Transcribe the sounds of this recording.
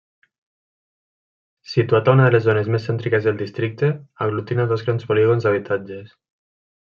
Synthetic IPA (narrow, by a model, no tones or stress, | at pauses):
sit̪uat̪aunəðəlezːonezmesːɛnt̪ɾikezðelˠd̪ist̪ɾik̚t̪eaɣlut̪inaðozɣɾanspoliɣonzaβ̞it̪ad͡ʒes